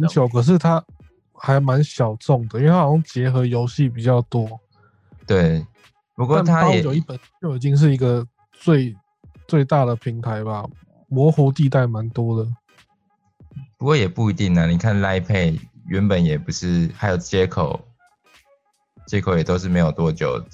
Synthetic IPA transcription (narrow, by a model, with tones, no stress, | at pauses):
a˨˧˦nt͡ɕʰjo˨˦ʊkʰɤ˨˩ʂ̬ɻ̩˥˩t̪ʰa˦˥ | xa˧˥ɪma˧˦nɕjɑ˨˩ʊt͡sɔ˥˩ŋd̪ə˩˨i˥we˥˩a˥˨˩jo˥ŋt͡ɕjɛ˧˥xɤ˧˥jo˧˥ʊɕi˥˩pi˨˩t͡ɕjɑ˥˩ʊt̪wɔ˦˥ | t̪we˥˩ɪ | pu˧˥kwɔa˥˨t̪ʰa˦jʊɛ˨t͡ɕjo˨˩ʊi˥˩pə˨˩n˥t͡ɕjo˥˩ʊi˨˩t̪i˥˧ŋʂ̬ɻ̩˥˩i˧˥ɡə˨ | t͡swe˥˧ɪ | t͡swe˥˧ɪt̪a˥˩d̪ə˩pʰi˨˦˥ŋt̪ʰa˧˦ɪba˨ | mwɔ˧˥xu˧˥t̪̬i˥˧t̪a˥˩ɪma˧˦nt̪wɔ˥d̪ə˨ | pu˧kwɔ˥˩jɛ˨˩pu˥˨i˧˥t̪i˥˩ŋna˨ni˨˩kʰa˥˨nla˥ɪpʰe˥˨ɪɥɛ˧˦npə˨˦njɛ˨˩pu˧˦ʂɻ̩˥˩ha˧˥ɪjo˨˩ʊt͡ɕjɛ˦kʰo˨˦ʊ | t͡ɕjɛ˦kʰo˨ʊjɛ˨˩t̪o˥ʊʂɻ̩˥˩me˧˥ɪjo˨˩ʊt̪wɔ˦t͡ɕjo̰˨˩ʊ